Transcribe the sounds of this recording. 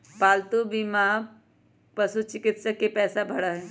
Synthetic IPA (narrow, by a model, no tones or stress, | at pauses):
baːlt̪ubima | pəsut͡ʃɪkɪt̪sakepɛːsabʱəɽaɦẽ